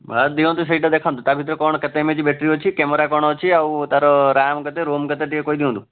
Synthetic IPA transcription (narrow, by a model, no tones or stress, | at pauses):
ətd̪iõnt̪us̬əiʈad̪ekʰãnd̪ut̪abʱit̪ɾəkɔɳkət̪emed͡ʒibeʈɾiot͡ʃʰikɛməɾakɔɳ̃ɔt͡ʃʰiaũt̪aɾɔɾamɡət̪eɾomɡət̪eʈiekoid̪iɦõnd̪u